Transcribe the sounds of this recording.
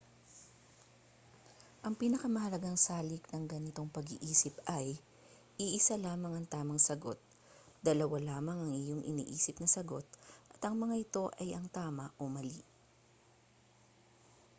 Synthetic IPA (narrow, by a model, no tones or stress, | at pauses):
ʔɐŋpiːnɐkɐmɐhɐlɐɡaŋsaːlɪknɐŋɡɐnɪt̪o̞ŋpɐɡiʔiːsɪpʔɐj | ʔiʔɪsalaːmɐŋɐŋt̪aːmɐŋsɐɡo̞t̪̚ | d̪ɐlɐwalaːmɐŋɐŋɪjo̞ŋʔɪ̰nḭːʔiːsɪpnɐsɐɡo̞t̪̚ʔɐt̪ɐŋmɐŋaʔɪt̪o̞ʔɐjɐŋt̪aːmɐʔomɐli